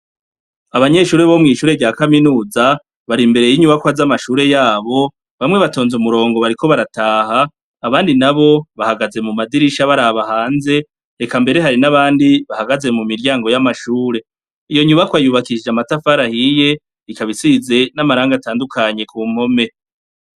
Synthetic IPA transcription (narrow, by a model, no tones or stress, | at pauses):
aβaɲe̞ʃuːɾeβo̞mŋiːʃuːɾe̞ɟaːkaminuːza | βaɾimbe̞ɾe̞jiɲuβakwazamaʃuːɾe̞jaːβo̞ | βamŋe̞βato̞ːnzumuɾo̞ːŋɡo̞βaɾiko̞βaɾataːhaː | βaːndinaβo̞βahaɡaze̞mumadiɾiʃaβaɾaːβahaːnze̞ | ɾe̞kambe̞ɾe̞ɦaɾinaβaːndiβahaɡaze̞mumiɾjaːŋɡo̞jamaʃuːɾe̞ | ijo̞ɲuβakwajuβakid͡ʒamatafaɾahije̞ | ikaβisize̞namaɾaːŋɡataːndukʰaɲe̞kuːmho̞me̞